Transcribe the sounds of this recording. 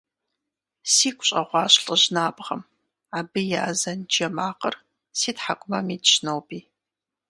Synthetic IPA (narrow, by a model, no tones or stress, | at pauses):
siːkʷʰʼɕʼɐʁʷɑːɕɬʼəʑnaːbʁɐ̰m | aːbɨjaːzɐnd͡ʒɐmaːqər | siːtħakʷʼʊmɐmiːdɕnowbiː